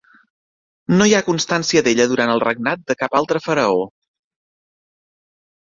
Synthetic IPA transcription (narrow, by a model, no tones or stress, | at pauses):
nojakunst̪ansiəðeʎəðuɾant̪əlˠrəɡ̚nat̪̚d̪əkapalˠt̪ɾəfəɾəo